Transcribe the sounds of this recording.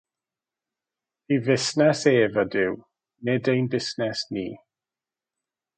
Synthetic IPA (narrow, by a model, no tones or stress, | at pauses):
ivɪsnɛseːvədɪw | nɛdejnbɪsnɛsnḭː